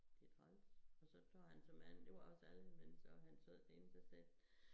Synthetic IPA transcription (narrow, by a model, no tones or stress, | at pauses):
d̥edʰɒlsɒ̽sɒ̽t͡sʰoɐ̰ɦænsɒ̽mːæn̰d̥e̝ʋɑ̈ɒ̽sæləmensɒ̽ɦænsoð̰ˠd̥ʰensæsel̰